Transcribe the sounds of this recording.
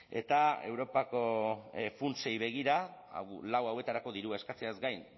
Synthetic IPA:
e̞̰t̪ae̞wɾo̞pako̞funse̞jβe̞ɣ̞iɾa̰lawawe̞t̪aɾako̞ðiɾuae̞skat͡seazɡajn

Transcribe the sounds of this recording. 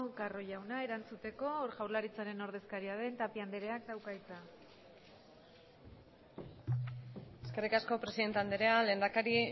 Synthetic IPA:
karo̞jawnae̞ɾant͡sut̪e̞ko̞ːɾʝawɾlaɾit͡saɾe̞no̞ɾð̞e̞skaɾiaðe̞nt̪apiand̪eɾe̞ak̚t̪awkajt͡sa | eske̞rikasko̞pɾe̞siðe̞nt̪eand̪eɾe̞ale̞ːnd̪akaɾi

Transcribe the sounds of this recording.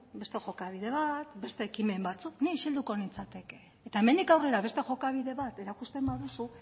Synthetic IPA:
be̞st̪e̞xo̞kaβ̞iðe̞β̞at̪be̞st̪eːkime̞mbat͡sukniʃild̪uko̞nit͡sat̪e̞keːt̪aeme̞nd̪ikawre̞ɾaβe̞st̪e̞xo̞kaβ̞iðe̞βat̪e̞ɾakust̪e̞mbaðusu

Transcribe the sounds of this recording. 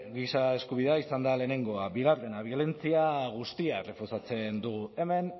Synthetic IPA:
ɡisae̞skuβ̞iðaisand̪aleːne̞ŋɡo̞aβiɣaɾðenaβ̞jo̞le̞nt͡siaɣ̞ust̪iaere̞fusat͡se̞nd̪uɣue̞me̞n

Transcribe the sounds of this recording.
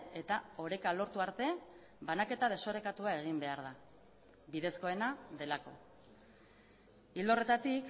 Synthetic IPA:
e̞t̪ao̞ɾe̞kalo̞ɾt̪uaɾt̪e̞ | banake̞t̪að̞e̞so̞ɾe̞kat̪uae̞ɣ̞imbe̞aɾða | biðe̞sko̞e̞naðe̞lako̞ | ild̪o̞re̞t̪at̪ik

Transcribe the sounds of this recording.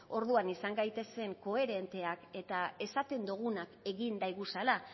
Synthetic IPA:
o̞ɾðuanisaŋɡajt̪e̞se̞ŋko̞e̞ɾe̞nt̪e̞ake̞t̪ae̞sat̪e̞nd̪uɣ̞unake̞ɣind̪ajɣusala

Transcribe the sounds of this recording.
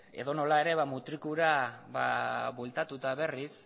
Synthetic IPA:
e̞ðo̞no̞lae̞ɾe̞βamut̪ɾikuɾaβa̰βolt̪at̪ut̪aβe̞ris

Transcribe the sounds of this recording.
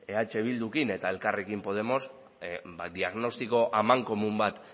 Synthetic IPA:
e̞at͡ʃe̞β̞ild̪ukine̞t̪ae̞lkarekimpo̞ð̞e̞mo̞s | bd̪iaɣno̞st̪iko̞ʔamaŋko̞mumbat̪

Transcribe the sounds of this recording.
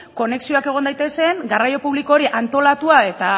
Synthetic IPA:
ko̞ne̞ksio̞ake̞ɣ̞o̞nd̪ajt̪ese̞ŋɡarajo̞puβlikoːɾiʔant̪o̞lat̪uae̞t̪a

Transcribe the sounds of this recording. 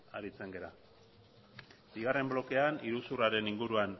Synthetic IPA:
a̰ɾit͡se̞ŋɡe̞ɾa | biɣare̞mblo̞ke̞aniɾusuraɾe̞niŋɡuɾuan

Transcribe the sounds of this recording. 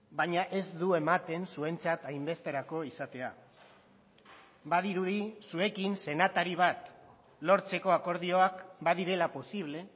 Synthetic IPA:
baɲaʔe̞zd̪ue̞mat̪e̞nsue̞nt͡sat̪ajmbe̞st̪e̞ɾako̞isat̪e̞a | baðiɾuðisue̞kinse̞nat̪aɾiβ̞at̪ | lo̞ɾt͡se̞ko̞ako̞ɾð̞io̞akbaðiɾe̞lapo̞siβ̞le̞

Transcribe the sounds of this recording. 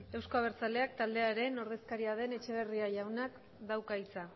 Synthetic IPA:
e̞wsko̞aβ̞e̞ɾt͡sale̞akt̪ald̪e̞aɾe̞no̞ɾðe̞skaɾiaðe̞ne̞t͡ʃe̞β̞e̞riaʝawnak | d̪awkait͡sa

